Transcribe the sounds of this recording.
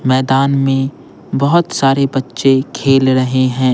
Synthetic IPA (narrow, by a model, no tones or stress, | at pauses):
mɛːd̪aːnmẽ | bɐɦʊt̪saːɾebɐtːʃekʰeːlɾɐɦeɦɛ̃ː